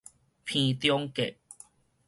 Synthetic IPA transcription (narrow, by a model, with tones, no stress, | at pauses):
pʰĩ˧t̪jɔ˦ŋke˨ʔ̚